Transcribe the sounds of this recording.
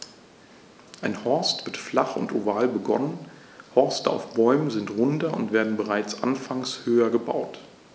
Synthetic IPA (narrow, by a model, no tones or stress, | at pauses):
ʔaɪnhɔɐstv̥ɪɐtflaχʊ̰ntovaːlbəɡɔ̰nən | hɔɐstəa̰ʊfb̥ɔʏmənzɪntʁʊndɐʊntv̥eːɐdn̩bəʁaɪt͡sʔanfaŋshøːɐɡəba̰ʊt